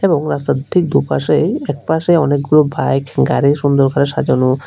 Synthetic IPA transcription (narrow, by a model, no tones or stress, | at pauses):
eboŋɾasad̪ʱik̚d̪upaʃejɛk̚paʃejɔnekɡulobajkɡaɾiʃund̪oɾkaɾeʃad͡ʑono